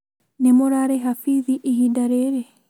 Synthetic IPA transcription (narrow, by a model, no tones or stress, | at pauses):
nemoɾaɾɛɦafiðiʔiɦidaɾeɾe